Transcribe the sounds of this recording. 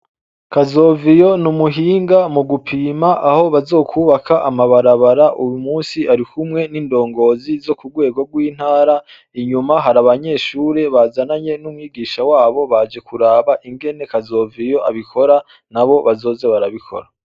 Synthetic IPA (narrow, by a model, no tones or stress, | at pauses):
kazo̞ːvijo̞numuɦiːŋɡamuɡupʰiːmaʔaho̞βazo̞ːkʰuːβakʰaʔamaβaɾaβaɾaʔujumuːnsiʔaɾikʰumŋe̞niːndo̞ːŋɡo̞ːzizo̞kuɡwe̞ːɡo̞ɡwiːn̥haːɾa | iɲumaɦaɾaβaɲe̞ːʃuːɾe̞βazanaɲe̞numwiːɡiːʃawaːβo̞βad͡ʒe̞kuɾaːβaʔiŋɡe̞ne̞kazo̞ːvijo̞ʔaβikʰo̞ɾa | naβo̞βazo̞ːze̞βaɾaβikʰo̞̰ɾa